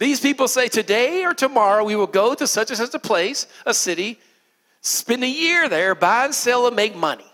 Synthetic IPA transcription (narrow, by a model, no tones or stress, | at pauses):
ðiz̥pipl̩ˠseɪtʰɨdeɪə˞tʰɨmɑɹoʊwiwəlˠɡoʊɾɨsʌt͡ʃɨzɨzəpʰl̥eɪsəsɪɾi | spɛ̃nɨjɪɹðə˞baɪɨ̃nsɛlˠəmeɪk̚mʌ̰nḭ